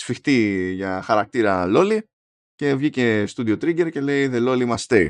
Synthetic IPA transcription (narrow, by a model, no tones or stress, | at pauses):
fixt̪iʝɐxɐɾɐk̚t̪iɾɐlo̞li | ce̞vʝice̞st̪uðiot̪ɾiɟe̞ɾce̞le̞iðe̞lo̞limɐst̪e